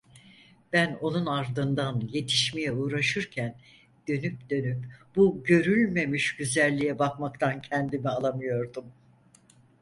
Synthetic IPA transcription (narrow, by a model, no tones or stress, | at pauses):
b̥æno̞nunaɾd̪ɯnd̪anje̞t̪ʰi̥ʃmejɛuːɾaʃɯɾcʰæn | d̪̥ø̞nyp̚d̪ø̞nypb̥uɟø̞ɾylʲme̞miʃɟyzælʲːijɛbakmakt̪ʰancʰɛnd̪imialˠamɯjo̞ɾd̪um